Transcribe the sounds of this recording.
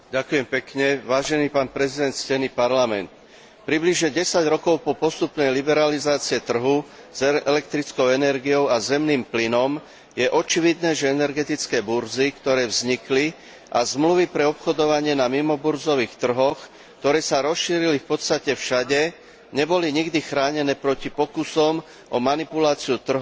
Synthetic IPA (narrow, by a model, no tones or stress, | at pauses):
ɟakujɛmpɛkɲɛʋaːʒɛniːpaːnpɾɛzid̪ɛnt̪scɛnipaɾlamɛ̰nt̪ | pɾibliʒɲɛɟɛsaɟɾɔkɔʊpɔpɔst̪upnɛjlibɛɾalizaːt͡siɛt̪r̩ɦu | z̥ɛɛlɛkt̪ɾit͡skɔʊɛnɛɾɡijɔʊazɛmniːmplinɔm | jɛʔɔt͡ʃiʋid̪nɛːʒɛɛnɛɾɡɛt̪it͡skɛːbuɾd͡zikt̪ɔɾɛːvzɲikli | ʔazmluʋipɾɛɔpxɔd̪ɔʋaɲɪɛnamimɔbuɾzɔʋiːxt̪r̩ɦɔx | kk̚t̪ɔɾɛːsaɾɔsʃiːɾilifpɔt̪st̪acɛfʃaɟɛ | ɲɛbɔliɲiɡd̪ixɾaːɲɛnɛːpɾɔcipɔkusɔm | ʔɔmanipulaːt͡siut̪r̩ɦ